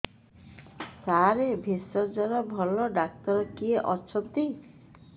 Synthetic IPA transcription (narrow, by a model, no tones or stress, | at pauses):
saɾebʱesɔɾd͡ʒɔɾɔbʱɔlɔɖak̚t̪ɔɾɔkieʔɔt͡ʃʰɔnt̪i